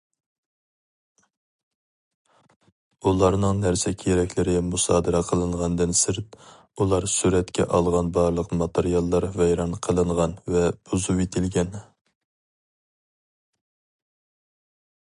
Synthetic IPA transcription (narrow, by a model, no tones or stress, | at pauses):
ulˠɑɾnɨŋnæɾsɛkʲʰeɾɛkʲlɪɾɪmusɑːd̪ɨɾɑqʰəlˠɨɴʁɑnd̪ɨnsɪɾt̪ | ulˠɑɾsyɾɛt̪kʲʰɛ̰ʔɑlˠʁɑnbɑɾlˠəqmɑt̪ʰeɾijɑlˠːɑɾvɛjɾɑnqʰəlˠɨɴʁɑnvɛb̥uzuwet̪ʰɪlɡʲɛn